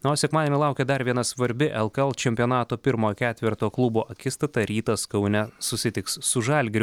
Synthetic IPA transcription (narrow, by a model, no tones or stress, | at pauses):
noːsʲɛkmɑːd̪ʲɛnʲɪlˠɑˑʊkʲɛd̪ɐɾʋʲiɛnɐsʋɐɾʲbʲɪʔɛlˠkɐɛlˠt͡ʃʲɛmʲpʲɪonɑːt̪oːpʲɪɾmoːjkʲæːt̪ʲʋʲɪɾt̪oːklˠʊboːʔɐkʲɪst̪ɐt̪ɐɾʲiːt̪ɐskɐʊnʲɛsʊsʲɪt̪ʲɪkssʊʒɐlʲɡʲɾʲʊ